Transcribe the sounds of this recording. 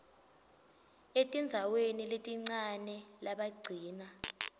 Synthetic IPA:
etʼind͡zʱaweniletʼiŋ͡ǀanɛlaɓaɡ͡ǀʱiːna

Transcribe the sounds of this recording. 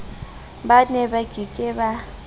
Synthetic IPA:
banɛbaɡ̥ʱikʼɪba

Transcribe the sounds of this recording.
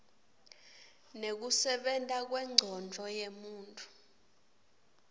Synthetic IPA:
nek̬usɛɓɛntʼak̬wɛŋ͡ǀʱɔnd͡ɮʱɔjemuːntʼu̥

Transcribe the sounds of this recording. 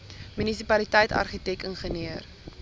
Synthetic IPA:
mynisipɐlitɛjtɐ̰rχitɛkəŋχəniər

